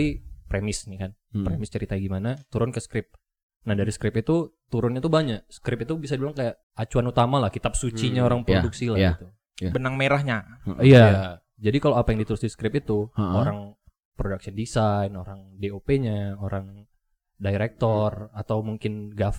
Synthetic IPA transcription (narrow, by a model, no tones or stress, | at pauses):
ipɾemɪsnikanpɾemɪst͡ʃəɾit̪aiɡimanat̪uɾʊnkəskɾɪp̚ | nahdaɾisə̥kɾɪpit̪ut̪uɾʊnɲat̪ubaɲak̚sə̥kɾɪpit̪ubisadidulaŋkajaʔ | at͡ʃuanut̪amalahkit̪ap̚sut͡ʃiɲaoɾaŋpoduksilaɡit̪u | bənaŋmeɾahɲaija | d͡ʒadikaloapajaŋdit̪uɾʊsdiskɾɪpit̪uoɾaŋ | pɾodak̚sindisajnoɾaŋdeopeɲaoɾaŋ | daiɾɛk̚t̪ɔrat̪awmuŋkɪnɡaf